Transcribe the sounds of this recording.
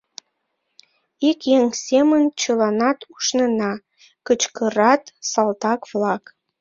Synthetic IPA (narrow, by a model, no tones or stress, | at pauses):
ikjeŋsemənt͡ɕəlɑnɑt̪uʃnənɑ | kət͡ɕkəɾɑt̪sɑlt̪ɑkβlɑk